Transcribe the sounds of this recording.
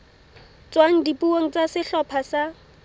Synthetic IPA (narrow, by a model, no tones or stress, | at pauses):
t͡swaŋ̩dipuoŋ̩t͡sasɪɬɔpʰasa